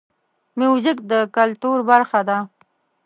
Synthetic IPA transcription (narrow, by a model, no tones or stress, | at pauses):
mjuzɪkd̪əkalt̪uɾbaɾxad̪a